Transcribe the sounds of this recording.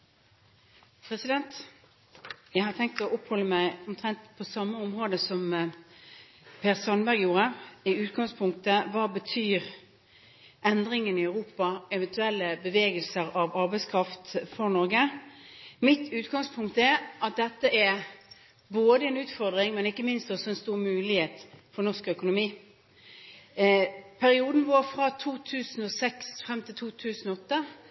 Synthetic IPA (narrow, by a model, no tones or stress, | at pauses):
pʰɾɛsɪd̪ɛnt̪ | jæɪhɑt̪ʰɛŋk̚t̪ɔʔɔphɔlːəmæɪɔmt̪ʰʁɛnt̪pʰɔsɑmːəɔmʁoːd̪əsɔm | pʰeːʁsɑnbæʁɡjuːʁəɪʉːt̪ɡɑŋspʰʊŋk̚t̪əʋɑːbət̪ʰyːʁ | ʔɛnd̪ʁɪŋənɪɑʉʁuːpɑɛʋɛnt̪ʰʉɛlːəbəʋeːɡəlsəʁɑʋɑɾbɛɪskʰʁɑft̪fɔʁnɔɾɡə | mɪt̪ʰʉːt̪ɡɑŋspʰʊŋkt̪əɛɾʔɑt̪̚d̪ɛt̪ːəʔɛɾ | boːd̪əɛnʉːt̪fɔʁd̪ʁɪŋmɛnɪkːəmɪnst̪ɔsɔɛnst̪uːʁmʉːlɪheːt̪fɔnɔʁskœkʊnʊmiː | pʰæɾɪuːd̪n̩ʋoːɾfɾɑt̪ʰuːt̪ʰʉːsn̩osɛksfʁɛmt̪ʰɪlt̪ʰuːt̪ʰʉːsn̩ɔɔt̪ːə